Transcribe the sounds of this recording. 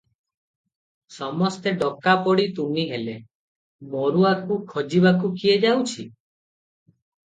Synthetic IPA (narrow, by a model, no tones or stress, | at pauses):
sɔmɔst̪eɖɔkapɔɽit̪uniɦele | mɔɾuakukʰɔd͡ʒibakukied͡ʒawt͡ʃʰi